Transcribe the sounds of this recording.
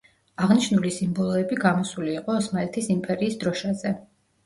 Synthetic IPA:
aʁniʃnulisimbɔlˠɔɛbiɡamɔsuliːqʼɔːsmalɛt̪ʰisimpʼɛɾiːsd̪ɾɔʃazɛ

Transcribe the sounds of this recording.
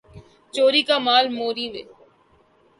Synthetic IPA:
t͡ʃoːɾiːkaːmaːlmoːɾiːʋḛː

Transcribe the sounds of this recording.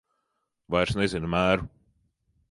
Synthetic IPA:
vajɾsnezinmæːɾu

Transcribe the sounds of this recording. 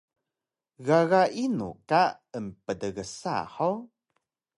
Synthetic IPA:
ɣaɣaʔinṵka | ənpədəɣəsa̰ħo

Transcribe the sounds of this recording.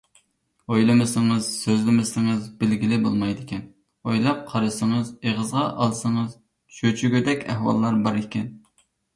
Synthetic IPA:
ojlˠɨmɪsɪŋɨz̥søzlɪmɪsɪŋɨzbɪlɡʲilɪbolˠmɑjd̪ɪkʲʰɛn | ojlˠɑp̚qʰɑɾɨsəŋəzeʁəzʁɑʔɑlˠsəŋəz | ʃøt͡ʃʰyɡʲyd̪ɛkʲʰæ̰hwɑ̰lˠːɑɾbɑɾekʲɛn

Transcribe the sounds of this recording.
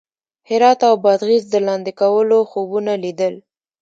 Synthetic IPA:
hɪɾɑt̪awbɑd̪ɣizd̪əlɑnd̪ekawəloxobunalid̪əl

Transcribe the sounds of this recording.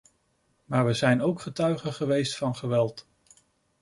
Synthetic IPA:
maːɹʋəzɛjnowkχətœɥχəχəʋejstfɑnχəʋɛlˠt

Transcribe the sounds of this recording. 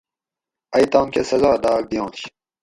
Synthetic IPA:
ɐjt̪ɑ̃ːnkesɐzaːd̪ɑːk̚d̪ijõːɕ

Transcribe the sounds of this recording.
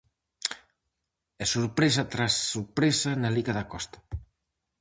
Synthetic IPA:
ɛsuɾpɾesat̪ɾasːuɾpɾesanaliɣaðɐkɔst̪ḁ

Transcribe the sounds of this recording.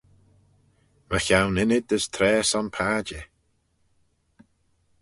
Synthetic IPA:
məçawnɪnɪd̪əst̪ʰɾɛːsɔnpʰaːd͡ʒɪ

